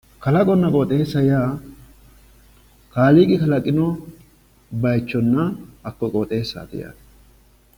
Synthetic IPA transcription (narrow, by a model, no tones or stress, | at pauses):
kɐlɐkʼɔnːɐkʼɔt̪ʼe̞ːsːɐjaː | kaːliːkʼɪkɐlɐkʼɪnɔ | bɐjt͡ʃːɔnːɐɐkːɔkʼɔːt̪ʼe̞ːsːa̰ːt̪ɪ̰ja̰ː